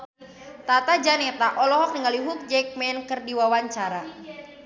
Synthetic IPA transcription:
t̪at̪ad͡ʒanɛt̪aʔɔlɔɦɔk̚niŋaliɦuk̚d͡ʒɛk̚mɛnkɨrdiwawaɲt͡ʃaɾa

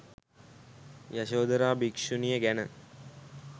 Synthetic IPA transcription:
jaɕoːd̪əɾaːbikʂunijəɡænə

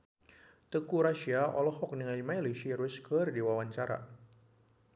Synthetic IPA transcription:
t̪əkuɾaʃiaʔɔlɔhɔk̚niŋajimajliʃiɾuskərdiwawaɲt͡ʃaɾa̰

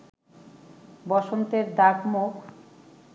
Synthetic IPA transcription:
bɔʃont̪eɾd̪akmokʰ

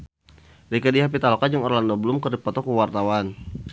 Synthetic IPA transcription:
dikadiɦap̬it̪alɔkad͡ʒaŋɔrlandɔbəlʊmkərdipɔt̪ɔkuwart̪awan

